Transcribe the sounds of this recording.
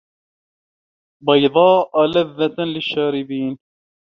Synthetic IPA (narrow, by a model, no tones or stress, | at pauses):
bɑjðˤɑːʔalaðːat̪lɪʃːaːɾɪbiːn